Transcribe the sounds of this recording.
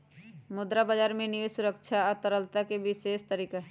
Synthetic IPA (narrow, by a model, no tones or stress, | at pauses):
mʊd̪ɾabad͡ʒaːɾmẽniʋesʊɾəkt͡ʃʰat̪əɾəlt̪akebɪʃeːst̪əɾiːka